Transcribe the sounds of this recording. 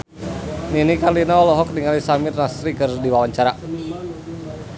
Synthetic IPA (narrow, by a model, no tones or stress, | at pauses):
ninikarlinaɔlɔɦɔk̚diŋalisamɪrnasɾikɨrdiwawaɲt͡ʃaɾa